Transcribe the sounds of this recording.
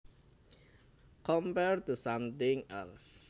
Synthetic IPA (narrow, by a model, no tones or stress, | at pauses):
kʰɔ̃mpɛɹt̪usãmt̪ɪ̃ŋɛ̰ls